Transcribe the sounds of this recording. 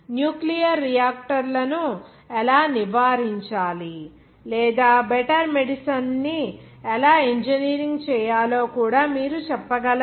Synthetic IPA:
njuːklijɐɾːijaːk̚ʈɐɾlɐnu | ɛlaːniʋaːɾiɲt͡ʃaːli | lɛːd̪aːbɛʈɐɾmeɽisɐnni | ɛlaːeɲd͡ʒeniːɾiŋɡt͡ʃɛːjaːlo̞ːkuːɽaːmiːɾut͡ʃɛpːɐɡɐlɐ

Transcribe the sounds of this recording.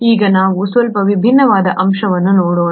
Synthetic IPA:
iːɡɐnaːʋusʋɐlpɐʋibʱinːɐʋaːd̪ɐʔɐmʃɐʋɐnːunoːɽoːn

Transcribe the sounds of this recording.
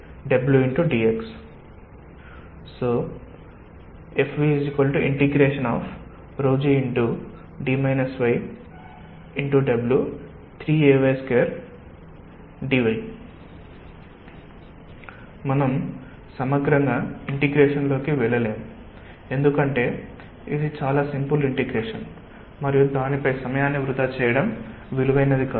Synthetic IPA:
ɖɐbljuiɳʈuɖiːeks | oː | epʰʋisikolʈuʔiɳʈiɡɾeːʂɐnaːfʰ | ɾoːd͡ʒiiɳʈu | ɖiːmɐjnɐsʋɐj | iɳʈuɖɐbljuː | t̪ʰɾiːeːʋeskeːɐɾ | ɖiʋɐj | mɐnɐm | sɐmɐɡɾɐŋɡaːiɳʈiɡɾeːʂɐnlo̞ːkiʋɛɭɐleːmu | e̞nd̪ukɐɳʈe̞ː | id̪it͡ʃaːlaːsimpuliɳʈiɡɾeːʂɐn | mɐɾijud̪aːnipɐjsɐmɐjaːnːiʋɾut̪aːt͡ʃɛːjɐɽɐm | ʋiluʋɐjnɐd̪ʱikaː

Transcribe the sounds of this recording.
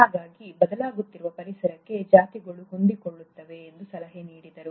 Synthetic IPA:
haːɡaːɡibɐd̪ɐlaːɡut̪ːiɾuʋɐpɐɾisɐɾɐkːe̞d͡ʒaːt̪iɡɐɭuɦond̪ikoɭːut̪ːɐʋe̞ːnd̪usɐlɐɦeniːɽid̪ɐɾu

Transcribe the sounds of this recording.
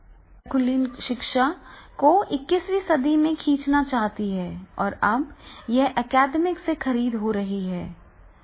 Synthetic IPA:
kʊliːnʃɪkʃakoɪkːɪsʋisɐd̪imẽkʰĩːt͡ʃnat͡ʃaːɦt̪iɦɛːɔ̰ːɾɐbjɛɦʔɛkɛːɖmɪksexɐɾiːd̪ɦoɾɐɦiɦɛː

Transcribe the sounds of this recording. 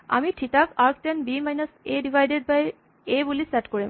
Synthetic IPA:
a̰mitʰitakaɹktɛnbimajnɔsedivʱajded̚baj | ebulisɛtkoɹim

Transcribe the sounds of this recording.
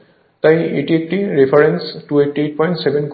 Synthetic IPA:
t̪ajeʈiek̚ʈiɾepʰaɾensʈueʈieʈ̚pɔj̃ɳʈsebʱenk

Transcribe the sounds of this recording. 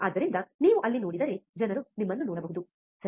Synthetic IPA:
ɐːd̪ɐɾind̪ɐniːʋuʔɐlːino̞ːɽid̪ɐɾed͡ʒɐnɐɾunimːɐnːunoːɽɐbɐɦud̪u | sɐ

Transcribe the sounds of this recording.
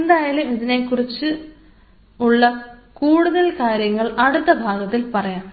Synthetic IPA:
end̪aːjaːlumiðine̞kːurit͡ɕːɨ | uɭːɐkuːɽuðɐlkaːɾjɐŋːɐɭɐɽut̪ːɐbʱaːɡɐt̪ːilpɐrɐjaːm

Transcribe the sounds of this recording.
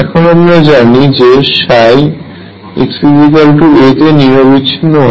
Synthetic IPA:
ɛkʰonamɾad͡ʑanid͡ʑeʃaj | ḛksizikalʈuet̪eniɾobitːɕʰinːoɦɔ

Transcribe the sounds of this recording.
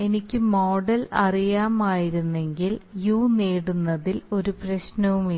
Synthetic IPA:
e̞nikʲːɨmo̞ːɽɐlɐrijaːmaːjiɾunːe̞ŋɡiljuːneːɽunːɐðilo̞ɾuprɐɕnɐʋumi

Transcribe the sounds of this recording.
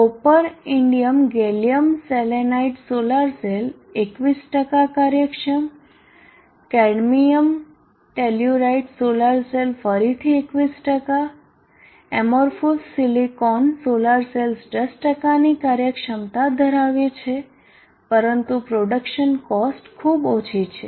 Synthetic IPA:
opəɾɪɳɖijəmɡelijəmselenaiʈsolaɾsel | ekʋisʈəkakaɾjəkʃəm | kɛɽmijəm | ʈeljuɾaiʈsolaɾselfəɾit̪ʰiekʋisʈəka | emoɾfusːilikɔnsolaɾselsɖəsʈəkanikaɾjəkʃəmt̪ad̪ʱəɾaʋet͡ʃʰe | pəɾənt̪upɾoɖəkʃənkɔsʈkʰubot͡ʃʰit͡ʃʰe

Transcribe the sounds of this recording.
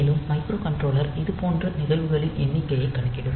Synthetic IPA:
ɪlɯmːɐɪkɾoːkɐɳʈroːlɐɾɪðɯpoːndrɐnɪðɐlʋɯɣɐɭɪnʔɛnːɪkːɐjɐɪkːɐɳɐkːɪɽɯm

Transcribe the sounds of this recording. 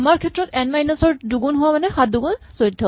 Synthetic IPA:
maɹkʰɛtɹɔtɛnmajnasɔɹduɡunɦʊwamanɛxat̚duɡunsojdʱːɔ

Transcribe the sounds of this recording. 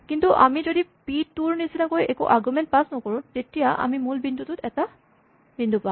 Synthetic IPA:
kintuʔa̰mizodipitːuɹnisinakojɛkṵʔaɹɡumɛnt̚pasnɔkoɹʊ̃tetijaʔa̰mimulbindʱutʊtɛta | b̥indʱupã

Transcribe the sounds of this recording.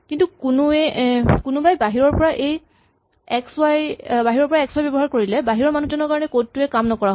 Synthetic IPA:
kintukunuɛkunubajbaɦiɹɔɹpɔɹaʔej | ɛksajbaɦiɹɔɹpɔɹaɛkswajbɔbɔɦaɹkoɹilɛbaɦiɹɔɹmanuzɔnɔɹkaɹɔnɛkotːuɛkamnɔkɔɹaɦɔ

